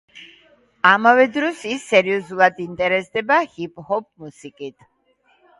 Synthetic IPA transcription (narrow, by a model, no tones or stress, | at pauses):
amavɛd̪ɾɔsisːɛɾiɔzulˠad̪int̪ʼɛɾɛsd̪ɛbahipʼhɔp̚musikʼit̪ʰ